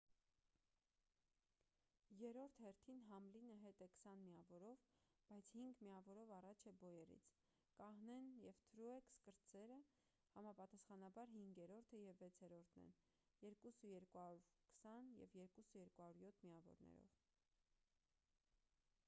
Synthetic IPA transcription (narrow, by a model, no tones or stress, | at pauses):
jɛɾɔɾt̪ʰhɛɾt̪ʰinɦɑmlinəɦɛt̪ɛkʰsɑnmiɑvɔɾɔvb̥ɑjt͡sʰhiŋɡmiɑvɔɾɔvɑrɑt͡ʃʰɛbɔjɛɾḭt͡sʰ | kɑhnɛnjɛvt̪ʰɾuɛkskəɾt͡sɛɾə | hɑmɑpɑt̪ɑsχɑnɑbɑɾɦiŋɡjɛɾɔɾt̪ʰəjɛvːɛt͡sʰɛɾɔɾt̪ʰnɛ̰n | jɛɾkusəjɛɾkuhɑɾuɾkʰə̥sɑnjɛ̰vjɛɾkusəjɛɾkuhɑɾuɾjɔt̪ʰmiɑvɔ̰ɾnɛ̰ɾɔ̰v